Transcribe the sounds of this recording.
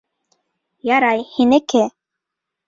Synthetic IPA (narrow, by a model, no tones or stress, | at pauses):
jɑɾɑjhinɘ̆kɘ